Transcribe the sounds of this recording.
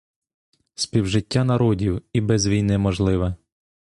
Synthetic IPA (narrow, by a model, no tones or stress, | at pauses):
spʲiwʒɪtʲːanɐɾɔdʲiwibɛzʋʲijnɪmɔʒlˠɪʋɛ